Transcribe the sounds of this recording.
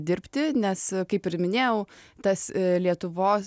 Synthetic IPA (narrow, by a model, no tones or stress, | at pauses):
d̪ʲɪɾʲpʲt̪ʲɪnʲɛskɐɪpɪɾmʲɪnʲeːjɛʊt̪ɐslʲiɛt̪ʊʋoːs